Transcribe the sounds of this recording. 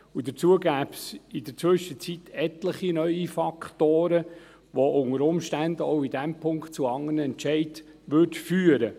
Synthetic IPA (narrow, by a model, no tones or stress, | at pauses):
ud̪ət͡suəɡæːpsɪd̥̪əɾt͡sʋʏʃət͡sit̪ʰɛt̪ləχinœʏifɑkʰt̪oːɾə | ʋoʔʊŋəɾʊmʃtænd̪əɔʊid̥̪æmpʰʊŋkt̚t͡suɑŋːənəɛntt͡ʃɛɪd | ʋʏrtfyːəɾə